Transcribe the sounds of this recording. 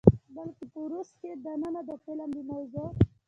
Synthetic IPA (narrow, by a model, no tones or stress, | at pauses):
balkepəɾusked̪anənad̪əpelamd̪imawzo